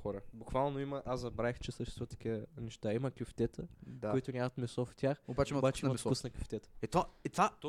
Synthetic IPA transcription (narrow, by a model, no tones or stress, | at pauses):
xɔɾəbʊkvalˠnoimɐʔaszɐbɾaixt͡ʃɛsəʃt̪ɛst̪vət̪ɐ̥kʲiənɛʃt̪aimɐkʲuft̪ɛt̪əd̪akʊit̪ʊnʲamɐt̪mɛsɔft̪ʲjaxobat͡ʃɛimbat͡ʃɛiimɐkusnɐkʲʊft̪ɛt̪ə̥ɛt̪aɛt̪vat̪ɔ